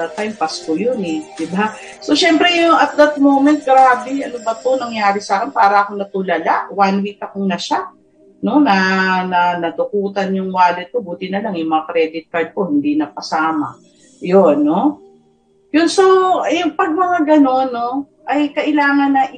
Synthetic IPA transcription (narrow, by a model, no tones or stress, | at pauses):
ɐt̪ːajmpɐskojonɛd̪ɪba | so̞ʃɛmpɾɛjʊŋɐt̪̚d̪ɐt̪̚mo̞wmɛnt̪̚ɡɾaːbɛɐnobɐt̪o̞nɐŋjaːɾɪsaːkɪnpaːɾɐʔɐko̞nɐt̪ʊlɐlaʔwanwit̪ɐkoŋnɐʃa | no̞nɐnɐnɐd̪ʊkuːt̪ɐnjʊŋwaːlɪt̪̚kobuːt̪ɪnɐlaŋjʊŋmɐŋakɾɛːd̪ɪt̪̚kaɹd̪̚ko̞hɪnd̪inɐpɐsaːmɐ̰ | jonːo | jʊnsojʊŋpɐɡ̚mɐŋaɡɐno̞nːo̞ | ʔɐjkɐʔɪlaːŋɐnːɐʔ